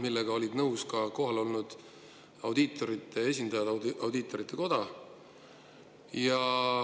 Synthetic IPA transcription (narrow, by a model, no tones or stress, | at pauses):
milːeɡ̥ɑo̞lʲid̪̥nɤwskɑko̞ɦɑlo̞lnud̪̥ | ɑwd̪it̪ːˑo̞ɾit̪ːˑe̞e̞s̬ʲind̪ɑjɑd̪ɑwd̪it̪ːˑo̞ɾit̪ːˑe̞ko̞d̪̥ɑ | jɑ